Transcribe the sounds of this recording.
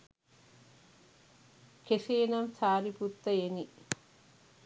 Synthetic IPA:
kʰeʂeːnɐmsaːɾiput̪ːɐjeni

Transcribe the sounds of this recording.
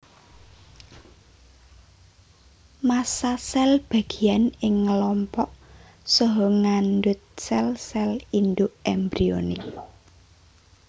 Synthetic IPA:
masasɛlb̥ä̤ɡ̥i̤anɪŋːəlɔmpɔʔ | sɔɦɔŋanɖʊt̪̚sɛlsɛlind̪ʊʔɛmbɾionḭ

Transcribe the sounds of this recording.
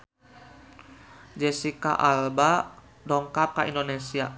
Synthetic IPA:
d͡ʒɛsika̰ʔalba | dɔŋkap̚kaʔindonesia

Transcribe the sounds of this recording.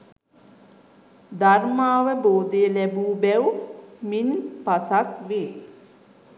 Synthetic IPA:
d̪armaːʋəboːd̪əjəlæbuːbɛwminpasat̪ʋeː

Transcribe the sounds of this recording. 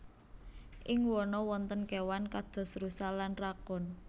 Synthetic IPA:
ʔɪŋwɔnɔwɔnt̪ənkewankad̪̥ɔ̤sɾusalanrakɔn

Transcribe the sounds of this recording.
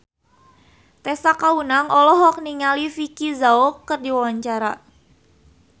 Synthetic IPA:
t̪ɛsakaunaŋɔlɔɦɔk̚niŋalifikizaɔkərdiwawaɲt͡ʃaɾa

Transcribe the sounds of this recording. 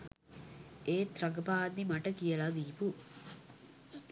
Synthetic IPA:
eːt̪ɾɐɡəpaːɐd̪ːimaʈəkijəlad̪iːpu

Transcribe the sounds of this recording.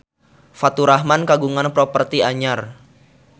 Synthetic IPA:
fat̪uɾahmankaɡuŋanpɾɔpərt̪iaɲar

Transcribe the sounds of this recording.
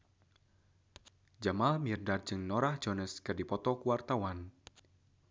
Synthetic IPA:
d͡ʒamalmirdar̚d͡ʒɨŋnɔɾahd͡ʒɔnəskɨrdipɔt̪ɔkuwart̪awan

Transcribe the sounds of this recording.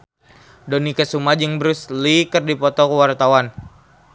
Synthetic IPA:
dɔnikəsumad͡ʒɨŋbəɾuslikərdipɔt̪ɔkəwart̪awan

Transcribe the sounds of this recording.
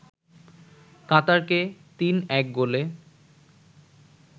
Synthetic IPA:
kat̪aɾket̪inɛk̚ɡole

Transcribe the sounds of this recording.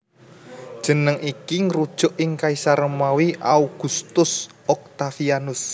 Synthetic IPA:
d̥ʒ̥ə̤nəŋʔikiŋɾud̥ʒ̥ɔ̤ʔɪŋkaisaɾəmawiʔauɡ̥ṳst̪ʊs | ɔk̚t̪afianʊs

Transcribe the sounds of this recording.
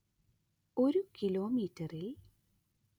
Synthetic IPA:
o̞ɾukiloːmiːtːɐril

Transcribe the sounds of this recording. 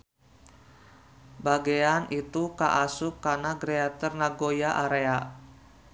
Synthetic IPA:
baɡeanʔit̪ukaʔasʊkːanaɡɾeat̪ɔrnaɡojaʔaɾea

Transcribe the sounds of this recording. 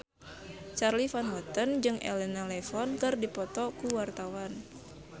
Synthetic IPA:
t͡ʃarlifanɦɔt̪ənd͡ʒɨŋʔɛ̰lɛnalɛfɔnkɨrdipɔt̪ɔkuwart̪awan

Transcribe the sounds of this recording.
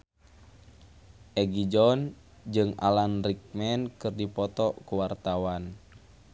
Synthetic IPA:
ʔɛɡid͡ʒɔn | d͡ʒɨŋa̰lanrik̚mɛnkɨrdipɔt̪ɔkuwart̪awan

